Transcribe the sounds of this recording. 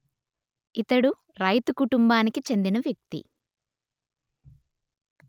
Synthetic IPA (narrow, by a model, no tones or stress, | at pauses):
it̪ɐɽu | ɾɐjt̪ukuʈumbaːnikit͡ʃe̞nd̪inɐʋjɐk̚t̪ḭ